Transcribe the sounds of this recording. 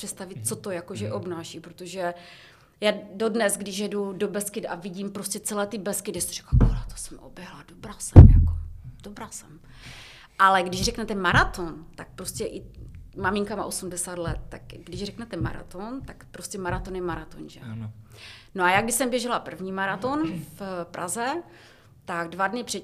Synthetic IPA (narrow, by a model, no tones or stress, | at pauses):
pr̥ɛt̪st̪avɪt̪̚t͡so̞t̪o̞jakoʒɛʔo̞bnaːʃipɾot̪oʒɛ | jaːdodnɛzɡdɪʃjɛdudo̞bɛskɪd̪ʔa̰vɪɟimpɾoscɛt͡sɛlɛːt̪ɪbɛskɪdɛsir̝ɛ̥klakolɛt̪o̥sɛmʔo̰bjɛɦladobɾasɛ̰mja̰kod̥obɾaːsɛm | ʔalɛɡdɪʒrɛknɛt̪ɛmaɾat̪ont̪ak̚pɾo̞scɛʔɪmamɪŋkama̰ʔosumdɛsaːt̪lɛt̪̚ːakɡdɪʒrɛknɛt̪ɛma̰ɾa̰t̪ont̪akpɾo̞scɛmaɾat̪onjɛmaɾat̪o̰nʒɛ̰ | noajaːɡdɪʃsɛmbjɛʒɛlapr̩vɲiːmaɾat̪onfpɾʔa̰zɛ | t̪aɡdvadnɪpr̥ɛ